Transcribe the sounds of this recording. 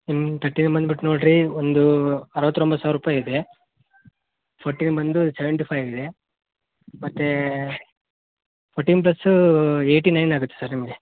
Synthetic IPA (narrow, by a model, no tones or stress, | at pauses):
int̪ʰɐɾʈːiːnbɐnd̪biʈːnoːɖɾiond̪uɐɾɐʋɐt̪ːɾombɐsaːʋɾuːpaːjid̪e | pʰoːɾʈiːnbɐnd̪usɛʋeɳʈipʰɐjʋid̪e̞ | mɐt̪ːe | pʰoːɾʈːiːnp̬lɐsːueːʈinɐjnaːɡut̪ːesɐɾnimɡe